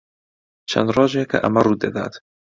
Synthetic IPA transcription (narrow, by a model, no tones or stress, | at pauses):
t͡ʃʰɐ̰nd̪rɑːʒɛkʰɐ̰ʔɐmɐruːd̪ɐd̪a̰ːt̪